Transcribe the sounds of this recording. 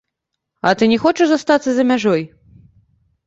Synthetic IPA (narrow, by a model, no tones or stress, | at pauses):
ɐ̰t̪ɨnʲɛxɔt͡ʂɨʐzast̪at̪sɐzɐmʲaʐɔj